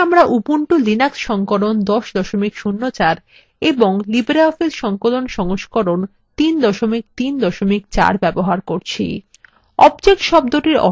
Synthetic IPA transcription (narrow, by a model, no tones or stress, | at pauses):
amɾaʔupuɳʈulinaksʃɔŋkolond̪ɔʃd̪ɔʃomikʃunːot͡ɕaɾ | eboŋlibɾaɔfeɾʃɔŋkolonʃɔŋoʃkoɾon | t̪ind̪ɔʃomik̚t̪ind̪ɔʃomikt͡ɕa̰ɾbɛboɦaɾkoɾt͡ɕʰḭ | ɔbd͡ʑek̚ʈʃɔb̚d̪oʈiɾɔ̰